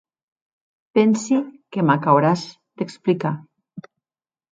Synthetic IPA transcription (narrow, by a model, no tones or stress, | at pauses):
pɛnsikemakawɾaz | d̪eksplika